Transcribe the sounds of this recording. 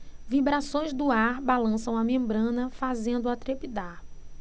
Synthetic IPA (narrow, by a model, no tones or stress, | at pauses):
vibɾasõj̃zd̪ʊaɾbalɐ̃sɐ̃w̃ɐmẽmbɾɐ̃nɐfazẽnd̪ʊat̪ɾepid̪aɾ